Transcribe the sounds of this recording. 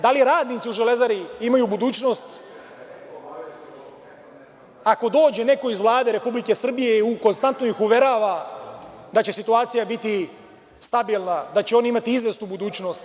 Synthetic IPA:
d̪aliɾaːd̪niːt̪siuʒele̞zaɾiimajuːbud̪uːt͡ʃno̞st̪ | ako̞d̪o̞ːd͡ʑe̞ne̞ko̞izʋlˠaːd̪e̞ɾe̞publike̞sr̩bije̞uko̞nst̪ant̪nojixuʋje̞ɾaʋa | d̪at͡ɕe̞sit̪uaːt̪sijabit̪i | st̪abiːlˠnad̪at͡ɕeo̞naimat̪iizʋest̪uːbud̪uːt͡ʃno̞ːst̪

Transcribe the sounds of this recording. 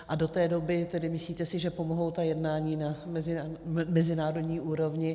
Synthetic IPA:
ʔado̞t̪ɛːdo̞bɪt̪ɛdɪmɪsliːt̪ɛsɪʒɛpo̞moɦo̞wt̪ajɛdnaːɲiːnamɛzɪmɛzɪnaːɾodɲiːʔuːɾo̞vɲɪ

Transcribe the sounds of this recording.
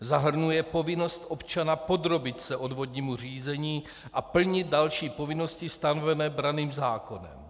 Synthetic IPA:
zaɦr̩nujɛpo̞vɪno̞st̪ʔo̞pt͡ʃanapo̞d̪ɾo̞bɪt̪sɛʔo̞dvo̞d̪ɲiːmur̝iːzɛɲiː | ʔapl̩ɲɪt̪̚dalʃiːpo̞vɪno̞scɪst̪anovɛnɛːbɾaniːmzaːko̞nɛ̰m

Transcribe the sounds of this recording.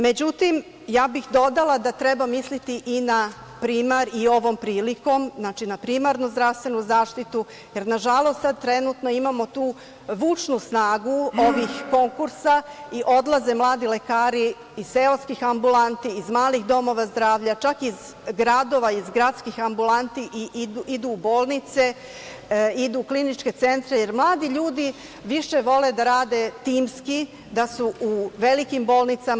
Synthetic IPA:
me̞d͡ʑut̪im | jaːbixd̪o̞d̪alˠad̪at̪ɾebamislit̪iʔina | pɾiːmaɾio̞ʋo̞mpɾiːliko̞mznat͡ʃinapɾiːmaɾnuzd̪ɾast̪ʋe̞nuzaːʃt̪it̪u | je̞ɾnaʒalˠo̞st̪sad̪̚t̪ɾe̞nut̪no̞imamo̞t̪uː | ʋuːt͡ʂnusnaːɡuoʋixko̞ŋkuɾsaiʔo̞d̪lˠaze̞mlˠaːd̪ile̞kaːɾi | izseoskixambulant̪iːzmaːlixd̪o̞mo̞ʋazd̪ɾaːʋʎat͡ʃakiz | ɡɾad̪o̞ʋaizɡɾat̪skixambulant̪iʔiʔ̪id̪uːbo̞ːlˠnit̪se̞ | id̪uklinit͡ʃke̞t̪se̞nt̪ɾeje̞ɾmlˠaːd̪iʎuːd̪i | ʋiʃe̞ʋo̞le̞d̪aɾaːd̪e̞t̪iːmski | d̪asuʔuʋe̞likimbo̞ːlˠnit̪sa

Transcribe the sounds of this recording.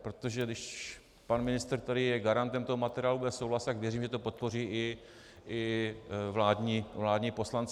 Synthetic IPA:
pɾo̞t̪oʒɛdɪʃ | panmɪnɪst̪ɾt̪aɾɪjɛɡaɾant̪ɛmt̪oɦomat̪ɛɾɪaːlubɛsowlast̪akvjɛriːmʒɛt̪o̞po̞t̪̚po̞r̝iːʔɪ | ʔɪvlaːdɲiːvlaːdɲiːpo̞slant͡s

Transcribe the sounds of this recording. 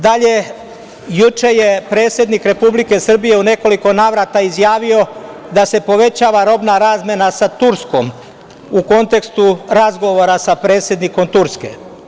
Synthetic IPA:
d̪aʎe̞ | jut͡ʃe̞jepɾe̞ːt̪sje̞d̪nikɾe̞publike̞sr̩bije̞une̞ko̞liko̞naːʋɾat̪aizjaːʋio̞ | d̪ase̞po̞ʋe̞t͡ɕaːʋaɾo̞bnaɾaːzmʲjenasat̪uɾsko̞m | uko̞nt̪e̞kst̪uɾazɡo̞ʋo̞ɾasapɾe̞ːt̪sje̞d̪niko̞mt̪uɾske̞̰

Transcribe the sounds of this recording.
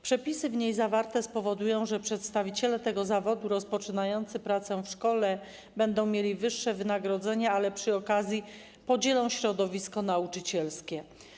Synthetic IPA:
pʂɛpʲisɘvɲejzavaɾt̪ɛspɔvɔd̪ujɔ̃w̃ʐɛpʂɛt̪st̪avʲit͡ɕɛlɛt̪ɛɡɔzavɔd̪uɾɔspɔt͡ʂɘnajɔnt̪sɘpɾat̪sɛfʂkɔlɛ | bɛnd̪ɔ̃w̃mʲjelʲivɘʂːɛvɘnaɡɾɔd̪zɛɲaalɛpʂɘɔkazʲji | pɔd͡ʑɛlɔ̃w̃ɕɾɔd̪ɔvʲiskɔnaut͡ʂɘt͡ɕɛlskʲɛ

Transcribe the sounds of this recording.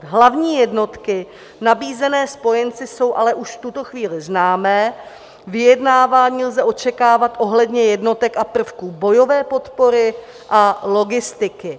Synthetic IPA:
ɦlavɲiːjɛdno̞t̪kɪ | nabiːzɛnɛːspo̞jɛnt͡sɪso̞wʔalɛʔuʃft̪ut̪o̞xviːlɪznaːmɛː | vɪjɛdnaːvaːɲiːlzɛʔo̞t͡ʃɛkaːvat̪ʔo̞ɦlɛdɲɛjɛdno̞t̪ɛkapr̩fkubo̞jo̞vɛːpo̞t̪po̞ɾɪ | ʔalo̞ɡɪst̪ɪkɪ

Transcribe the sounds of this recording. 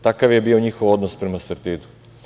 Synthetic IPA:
t̪akaʋje̞bio̞ɲixo̞ʋo̞d̪nospɾemaseɾt̪id̪u̥

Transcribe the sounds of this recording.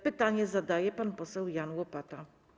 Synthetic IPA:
pɘt̪aɲɛzad̪ajɛpanpɔsɛwjanwɔpat̪a

